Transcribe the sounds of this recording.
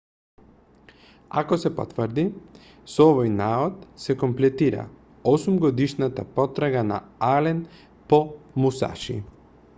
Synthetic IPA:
a̰kosɛpo̰t̪vəɾd̪i | sɔvojnaot̪sɛkɔmplɛt̪iɾa̰ | osumɡɔd̪iʃnat̪apɔt̪ɾaɡana̰alɛn | pɔmusa̰ʃḭ

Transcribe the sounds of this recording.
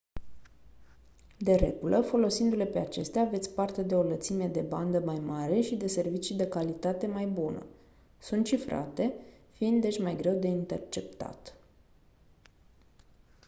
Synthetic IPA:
d̪e̞ɾe̞̰ɡulʔəfo̞lo̞sind̪ule̞pe̞at͡ʃe̞st̪eaːve̞t̪sʲpart̪e̞d̪e̞o̞lət̪simeed̪e̞band̪əmajmaɾe̞ʃid̪e̞se̞rvit͡ʃid̪e̞kalit̪at̪e̞majbunə̰ | sunt̪t͡ʃifɾa̰t̪e̞ | fiind̪ːe̞t͡ʃʲmajɡɾe̞wd̪e̞int̪e̞rt͡ʃe̞pt̪a̰t̪

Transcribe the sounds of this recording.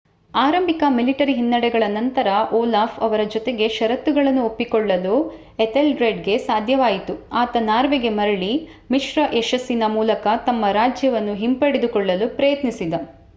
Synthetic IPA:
aːɾɐmbikɐmiliʈɐɾiɦinːɐɽɛɡɐɭɐnɐnt̪ɐɾɐʔɔːlaːfʰɐʋɐɾɐd͡ʒɔt̪e̞ɡe̞ʃɐɾɐt̪ːuɡɐɭɐnːuopːikɔɭːɐlu | et̪elɖɾeɖɡe̞saːd̪ʱjɐʋaːjit̪uaːt̪ɐnaːɾʋeɡe̞mɐɾɐɭi | miʃɾɐʔeʃɐsːinɐmuːlɐkɐt̪ɐmːɐɾaːd͡ʒjɐʋɐnːuɦimpɐɽed̪ukɔɭːɐlupɾɐjɐt̪nisid̪ɐ

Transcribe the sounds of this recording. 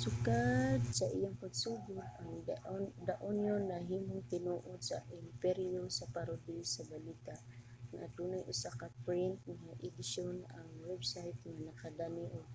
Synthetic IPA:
sʊkad̪saʔɪjaŋpaɡsuːɡʊd̪aŋd̪aʔʊnjonːaɦiːmʊŋt̪ɪnuʔʊsa̰ʔɪmpɛɾijosapaɾʊd̪isabalit̪aʔ | ŋa̰d̪unajʔʊ̰sakapɾɛnt̪̚ŋaʔɪd̪ɪʃonaŋwɛbsajt̪ŋanakad̪aniʔo

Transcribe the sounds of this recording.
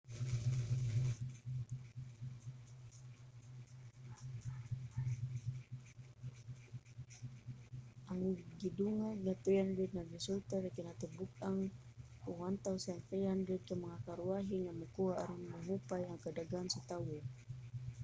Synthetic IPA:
ʔaŋɡiduŋaɡnat̪əjanbɛt̪̚naɡisult̪anakinat̪əbukaŋuwant̪ausantejandɛt̪̚kaməŋakaɾuaɦiŋaməkuaːɾiŋməɦupajaŋkadaɡaːnsut̪awu

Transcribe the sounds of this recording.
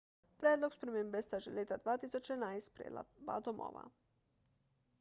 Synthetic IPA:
pɾʲjeːd̪lˠoɡspɾemembest̪aʒelʲet̪ad̪ʋaːt̪isot͡ʃenaist̪pɾḛba̰t̪omo̰ʋa̰

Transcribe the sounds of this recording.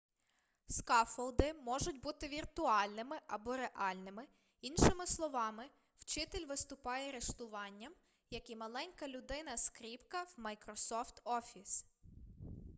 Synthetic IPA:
skɑfɔlˠd̪ɪmɔʒʊtʲbut̪ɪʋʲirt̪ʊɑlʲnɪmɪʔɐbɔɾeʔɑlʲnɪmɪ | inʃɪmɪslˠɔʋɑmɪ | wt͡ʃɪt̪ɪlʲʋɪst̪ʊpɑjɛɐɾeʃt̪ʊʋɑnʲːɐm | jɐkimɐlˠɛnʲkɐlʲʊd̪ɪnɐskɾʲipkɐwmɐjkɾɔsɔft̪ɔfʲis

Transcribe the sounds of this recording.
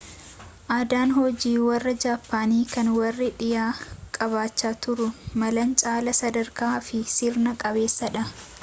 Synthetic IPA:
ʔaːd̪aːnhɔd͡ʒiːwɐrːɐd͡ʒaːpːaːniːkɐnwɐrːɪᶑɪjaːkʼɐβaːt͡ʃːaːt̪ʊɾʊmɐlɐnt͡ʃʼaːlɐsɐd̪ɐɾkaːfɪsɪɾnɐkʼɐbe̞ːsːɐᶑɐ

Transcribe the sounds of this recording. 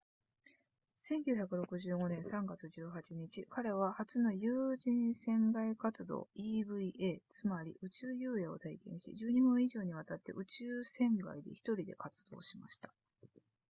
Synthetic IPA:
sẽ̞ŋkʲɨ̟ːçakɯ̟ɾo̞kɯ̟ʑɨːɡo̞nẽ̞ɰ̃sãŋɡat͡sɨʑɨːɦat͡ɕiɲ̟it͡ɕikaɾe̞β̞ahat͡sɨno̞jɯːd͡ʑĩɰ̃sẽ̞ŋɡaikat͡sɨd̪o̞̰ːibɯ̟iʔeːt͡sɨmaɾʲḭʔɯ̟t͡ɕɨːjɯːjeo̞̰t̪aikẽ̞ɰ̃ɕḭd͡ʑɨːɲ̟ibɯ̟̃ɰ̃iʑo̞ːɲ̟iβ̞at̪at̪ːe̞̰ʔɯ̟t͡ɕɨːsẽ̞ŋɡa̰id̪e̞̰çi̥t̪o̞ɾʲid̪e̞̰kat͡sɨ̥d̪̥o̞̰ːɕima̰ɕi̥t̪ḁ

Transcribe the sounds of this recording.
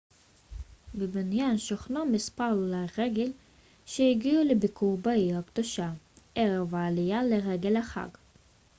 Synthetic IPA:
bibinjanʃoχnomispaʁlulaʁeɡel | ʃejiɡiulebikʰuʁbaihakd̪oʃa | ʔeʁevaːlijaleʁeɡe̞laχa̰ɡ

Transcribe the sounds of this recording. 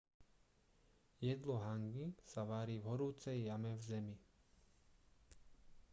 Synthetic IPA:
jɛd̪lɔɦaŋɡisaʋaːɾiːvɦɔɾuːt͡sɛjːamɛvzɛmi

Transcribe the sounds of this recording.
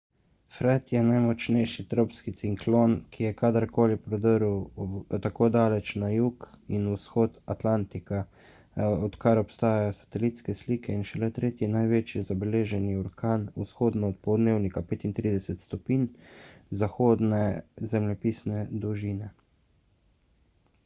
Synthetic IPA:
fɾɛt̪jɛnajmɔt͡ʃnɛjʃit̪ɾopskit̪siŋklonkʰijɛkad̪əɾkoːlipɾɔd̪əɾwt̪akoːd̪aːlɛt͡ʃnajuːkinusxoːt̪at̪lant̪ika | ɔt̪kaɾɔpst̪aːjajɔsḁt̪ɛlit̪skɛsliːkʰɛinʃɛlɛt̪ɾeːt̪jinajʋeːt͡ʃjizabɛleːʒɛniɔɾkaːnusxoːd̪nɔːt̪̚pɔd̪neːwnikapeːt̪int̪ɾiːd̪ɛsɛt̪st̪ɔpiːnzaxoːd̪nɛzɛmlɛpiːsnɛd̪uʒinɛ

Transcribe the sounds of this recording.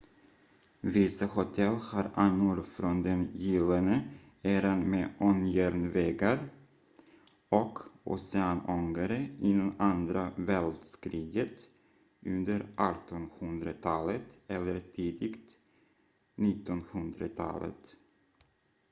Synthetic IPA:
vɪsahʊt̪ʰɛlːhaːɾanːʊɾfɾɔnd̪ɛnjɪlːanə | eːɾanmeːʔɔnjæɾnvɛːɡaɾ | ɔkʊ̰sɛanɔŋɡaɾəɪnːɛnand̪ɾavɛld̪skɾiːɡət̪ | ʔɵnd̪əɾʔɑt̪ʰɔnhɵnd̪ɾat̪ʰɑːlət̪ɛlːəɾt̪ʰiːd̪ɪɡt̪ | nɪt̪ːɔnhɵnd̪ɾat̪ʰɑ̰ːlə̰t̪

